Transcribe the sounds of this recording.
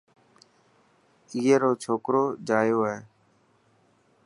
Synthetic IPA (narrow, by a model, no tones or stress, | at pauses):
iːeːɾoːt͡ʃʰoːkɾoːd͡ʒaːjoːɦɛː